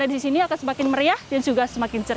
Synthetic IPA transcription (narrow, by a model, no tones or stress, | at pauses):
adisisiniakansəmakɪnməriahdand͡ʒuɡasəmakɪnt͡ʃə